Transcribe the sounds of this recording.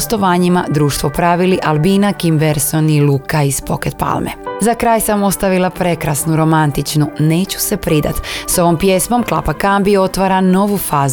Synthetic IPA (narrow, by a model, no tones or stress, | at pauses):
st̪o̞ʋaːɲimad̪ɾuːʃt̪ʋo̞pɾaʋiliʔalˠbiːnakimbeɾsonilˠukaiz̥po̞ket̪̚pa̰lˠmḛzakɾaːjsamo̞st̪aʋilˠapɾe̞kɾasnuɾo̞mant̪it͡ʃnune̞ːt͡ɕu̥se̞pɾid̪a̰t̪so̞ʋo̞mpje̞smo̞mklˠa̰pakambio̞t̪ʋaːɾano̞ʋufaːz